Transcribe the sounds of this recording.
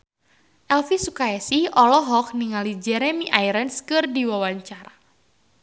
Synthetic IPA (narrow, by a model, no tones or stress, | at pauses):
ʔɛlfisukaɛsihɔlɔɦɔk̚niŋalid͡ʒɛɾɛmiʔaiɾənskɨrdiwawaɲt͡ʃaɾa